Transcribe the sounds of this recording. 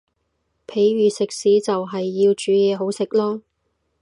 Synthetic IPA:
pʰe˨˥jɥyː˨sɪ˨k̚siː˨˥t͡sɐ˨wɦɐ˨jːiː˧wt͡ʃyː˨˥jɛː˨˧ɦo˨˥wsɪ˨k̚lɔː˥

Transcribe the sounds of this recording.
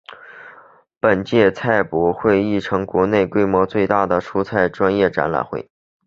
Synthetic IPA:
pə˨˩nt͡ɕjɛ˥˧t͡sʰa˥˩ɪpu˨˩xwe˥˧ɪi˥˩ʈ͡ʂʰɤ˧˥ŋkwɔ˧˥ne˥˩ɪkwe˥ɪmwɔ˧˥t͡swe˥˧ɪt̪a˥˩d̪ə˩ʂʰu˥t͡sʰa˥˩ɪʈ͡ʂwa˥njɛ˥˩ʈ͡ʂa̰˧˥nla̰˨˩nxwḛ˥˩ɪ

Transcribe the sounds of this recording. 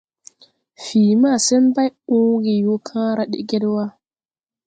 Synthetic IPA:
fiː˨ma˦˨sʊ˦mba˦jʊ˦ɡi˨joː˦kʰã˦ɾa˦ɗḭ˨ɡʲɪ˦dwaː˦

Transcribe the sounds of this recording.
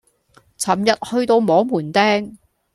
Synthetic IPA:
t͡sʰɐ˨˩mjɐ˨t̚hɵ˧ɥt̪o˧wmɔː˨˥ŋmuː˨˩nt̪ɛː˥ŋ

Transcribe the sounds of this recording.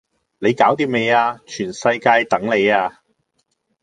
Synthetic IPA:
le˨˧jkaː˨˥wt̪i˧me˨˧jaː˧t͡ʃʰyː˨˩nsɐ˧jkaː˧jt̪ɐ˨˥ŋle˨˧jaː˧

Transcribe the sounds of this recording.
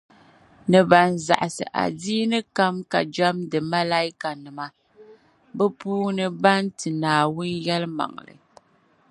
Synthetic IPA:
nɨ˨ba˨n˨za̰˨ʔa˨sɨ̰˨ʔa̰˨diː˦nɨ˦ka˦mka˨d͡ʒa˦mdɨ˨ma˦la˦i˦ka˨nɨ˨ma˨ | bɛ˦puː˦nɨ˦ba˦ntɨ˨naː˨wʊ˦njɛ˦lɨ˦ma̰˨ŋlɨ̰˨

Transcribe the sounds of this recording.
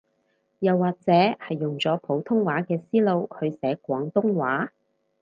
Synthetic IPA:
jɐ˨wːaː˨k̚t͡sɛː˨˥hɐ˨jːʊ˨ŋt͡sɔː˨˥pʰo˨˥wt̪ʰʊ˥ŋwaː˨˥kɛː˧siː˥lo˧whɵ˨˧ɥsɛː˨˥kʷɔː˨˥ŋt̪ʊ˥ŋwaː˨˥

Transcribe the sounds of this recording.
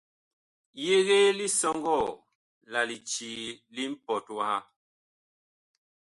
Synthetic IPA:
je˦ɣe˦li˦sɔ˦ŋɡɔ˦˨ | la˨li˨t͡ʃi˨li˦m̩˦pɔ˨twa˦ha˦

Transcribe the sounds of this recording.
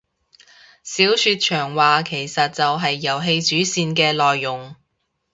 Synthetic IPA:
siː˨˥wsyː˧t̚t͡ʃʰœː˨˩ŋwaː˨kʰe˨˩jsɐ˨t̚t͡sɐ˨wɦɐ˨jːɐ˨˩wɦe˧jt͡ʃyː˨˥siː˧nkɛː˧lɔː˨jːʊ˨ŋ

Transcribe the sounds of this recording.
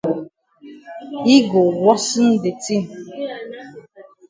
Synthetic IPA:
i˦ɡo˨wɔ˦sɨ˦n̩˦de˨ti˦n̩˨

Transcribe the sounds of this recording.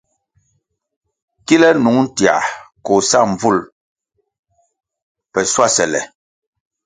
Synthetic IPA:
ki˦lɛ˦nu˨˦ŋn̩˦tja̰˨ko˨sa˦˨m˨b͡vu˦˨l | pɛ˨swa˦˨sɛ˨lɛ̰˨

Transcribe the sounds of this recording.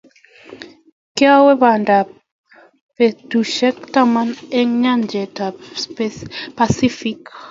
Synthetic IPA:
kja˦wɛ˦βa˨nda˨ | pe˨tu˨ʃɛ˦kta˦ma˦nɛ˦ŋɲa˦nd͡ʒɛ˨ta˨ | pa˨si˦fi˦k

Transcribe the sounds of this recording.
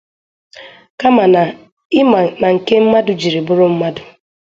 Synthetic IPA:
ka˦ma˨na˨ | ɪ˦ma˨na˨ŋ̩˨ke˦m̩˦ma˦dʊ˨d͡ʒi˨ɾi˨bʊ˦ɾʊ˦m̩˦ma˦dʊ˨

